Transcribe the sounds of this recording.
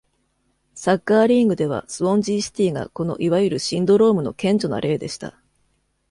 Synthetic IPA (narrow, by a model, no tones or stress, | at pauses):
sakːaːɾʲiŋɡɯ̟d̪e̞β̞a̰sɨβõ̞ɲ̟d͡ʑiːɕi̥t̪ʲiːɡa̰ko̞no̞ʔiβajɯ̟ɾɯ̟ɕĩnd̪o̞ɾo̞ːmɯ̟no̞̰kẽ̞ɲ̟d͡ʑo̞na̰ɾʔe̞ːd̪e̞ɕi̥t̪a̰